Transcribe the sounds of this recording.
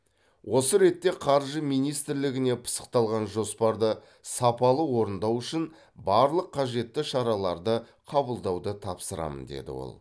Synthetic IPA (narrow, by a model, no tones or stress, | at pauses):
wʔo̞səɾe̞t̪ːe̞qʰɑɾʒəmijnijst̪ɪɾlɪɡʲɪne̞pʰə̥sə̥q̚t̪ɑlˠʁɑnʒo̞spɑɾd̪ə | sɑpɑlˠəwo̞ɾənd̪ɑwʏʃɪn | bɑɾlˠəqʰːɑʒe̞t̪ːɪʃɑɾɑlˠɑɾd̪əqʰɑbəlˠd̪ɑwd̪ət̪ʰɑpsəɾɑ̰mə̰nd̪e̞̰d̪ɪ̰wo̰lˠ